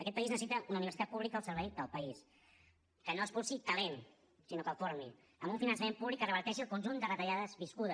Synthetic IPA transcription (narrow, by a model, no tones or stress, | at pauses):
əkɛt̪̚pəiznəsit̪əʔunəuniβəɾsit̪at̪puβlikəːlˠsəɾβɛjd̪əlˠpəis | kənoəspusit̪əlen | sinokəlˠfoɾmḭ | əmbuɱfinənsəmempuβlikːərəβəɾt̪ɛʃ̬iəlˠkunʲʒund̪ərət̪əʎaðəzβiskuðə